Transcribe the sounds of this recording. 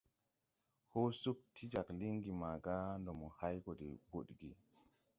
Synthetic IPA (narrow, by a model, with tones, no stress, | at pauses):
ho˦su˦k̚tʰi˦d͡ʒa˨kli˦ŋɡi˨ma˨ɡa˦ndɔ˨mɔ˨ha˦jɡɔ˨dɛ̰˨ɡo˦ɗɡi˨